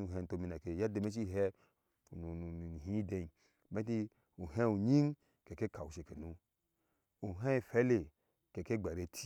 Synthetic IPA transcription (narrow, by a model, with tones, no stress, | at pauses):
u˨ɦɛ̃˨˧n˨to˧˨mi˧na˨ke˨ja˦de˨me˦t͡ʃ̬i˦˨ɦɛ˧ | u˨nu˨nu˨hĩ˦de˧i˨ | me˦ti˦ | u˨ɦɛ̃˦u˨ɲĩ˦ŋ | kɛ˨ke˦ka˨u˨ʃe˨ke˨nu˨˦ | u˨ɦɛ̃˦˨fɛ˦le˨ | kɛ˨ke˦ɡ͡ba˨ɾe˧tʰi˦